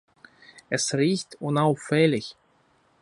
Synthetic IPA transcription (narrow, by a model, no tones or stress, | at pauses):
ʔɛsʁiːçtʰʊnaʊfɛlɪç